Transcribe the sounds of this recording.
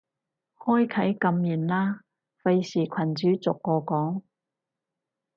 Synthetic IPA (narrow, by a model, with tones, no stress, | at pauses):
hɔː˥jkʰɐ˨˥jkɐ˧mjiː˨˩nlaː˥ | fɐ˧jsiː˨˩kʷʰɐ˨˩nt͡ʃyː˨˥t͡sʊ˨kːɔː˧kɔː˨˥ŋ